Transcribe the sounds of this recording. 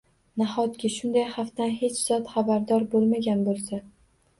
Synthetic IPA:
nahɒt̪kʲɪʃʊnd̪ajhaft̪anhe̞t͡ʃz̥ɒt̪χabaɾd̪ɒɾbolˠmaɡʲanbolˠsa

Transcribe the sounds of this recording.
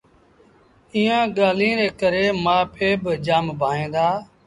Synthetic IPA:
iːãːɠaːlĩːɾeːkəɾeːmaːpʰeːbəd͡ʒaːmbʱaːẽːd̪aː

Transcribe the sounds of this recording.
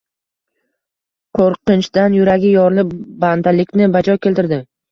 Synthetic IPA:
qʰoɾqɨnt͡ʃd̪anjʊɾaɡʲɪjɒɾlɪpband̪alɪkʲnɪbad͡ʒɒkʲʰelt̪ɪɾd̪ɪ

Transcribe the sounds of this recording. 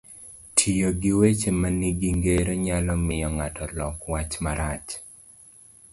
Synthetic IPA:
tʰijoɡiwet͡ʃemaniɡiŋɡeɾoɲalɔmɪjɔŋatɔlɔkwat͡ʃmaɾat͡ʃ

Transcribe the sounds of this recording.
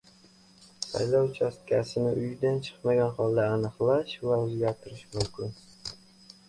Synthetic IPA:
sa̰jlɒwt͡ʃʰast̪̚kʲʰasɪnɪʔʊjd̪ant͡ʃʰɨ̥qmaɡʲanχɒlˠd̪aːnɨqlˠaʃvaɵzɡʲaɾt̪ʰɪɾɪʃmʊmkʲʰɪn

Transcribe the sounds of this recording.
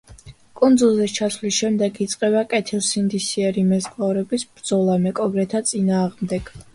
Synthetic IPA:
kʼund̪zulˠzɛt͡ʃʰasvlisʃɛmd̪ɛɡit̪sʼqʼɛbakʼɛt̪ʰilˠsind̪isiɛɾimɛskʼlˠavɾɛbisbɾd̪zɔlˠamɛkʼɔɡɾɛt̪ʰat̪sʼinaːʁmd̪ɛɡ̥

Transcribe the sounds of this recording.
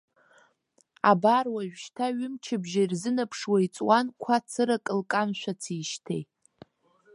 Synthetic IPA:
a̰barwaʒʷᶣʃtʰaɥʊmt͡ʃʰɪbʒairzɨnapʰʂwait͡sʼwankʷʰat͡sʰɨɾakʼɨlkʼamʃʷat͡sʰiʃtʰḛjtʼ

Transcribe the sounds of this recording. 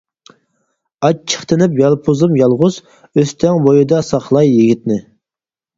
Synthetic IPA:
ɑt͡ʃt͡ʃʰə̥χt̪ɪnɪpjɑlˠpʰuzɨmjɑlˠʁʊz | øst̪ʰɛŋbojɨd̪ɑsɑχlˠɑjːiɡʲit̪nɪ

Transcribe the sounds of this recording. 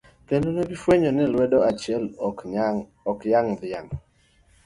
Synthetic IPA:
t̪enonebifweɲɔnɪlwɛdɔat͡ʃɛl | ɔkjaŋd̪ɪjaŋ

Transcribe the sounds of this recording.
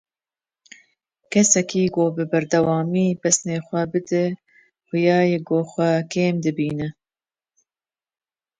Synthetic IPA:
kɛsɛkiːɡoːbɨbɐɾd̪ɐwɑːmiːpɛsneːxʷɛbɨd̪ɨ | xʊjɑːjeɡoːxʷɛkeːmd̪ɨbiːnɨ

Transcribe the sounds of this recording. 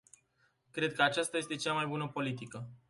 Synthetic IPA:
kɾe̞d̪̚kəat͡ʃast̪aje̞st̪e̞t͡ʃamajbunəpo̞lit̪̬ikə

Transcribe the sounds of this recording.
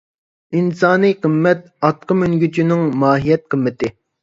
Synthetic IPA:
insɑːnɨjqʰəmːɛt̪̚ | ɑt̪̚qəmynɡʲyt͡ʃʰynɪŋmɑːɦijɛt̪̚qʰəmːɪt̪ɪ

